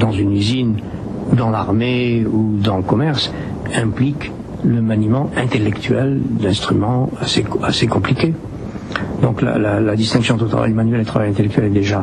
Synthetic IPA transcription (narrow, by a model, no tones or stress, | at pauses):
d̪ɑ̃zynyzin | ud̪ɑ̃laʁmeud̪ɑ̃ləkɔmɛʁs | ɛ̃plik | ləmanimɑ̃ɛ̃t̪elɛkt̪ʰyɛld̪ɛ̃st̪χymɑ̃aseasekɔ̃plikʲe | d̪ɔ̃kla̰lalad̪ist̪ɛ̃ksjɔ̃ɑ̃t̪ələt̪ʰava̰jləmanɥɛlːeət̪ʰχavajɛ̃t̪elɛk̚t̪ɥɛlɛd̪eʒa